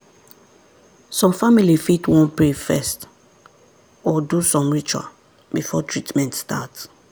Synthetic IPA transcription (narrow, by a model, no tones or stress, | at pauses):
sɔ̃mfamilifitwɔ̃npɹifɛst | ɔdusɔ̃mɹit͡ʃua̰ | bifɔtʰɹitmɛ̃ntstats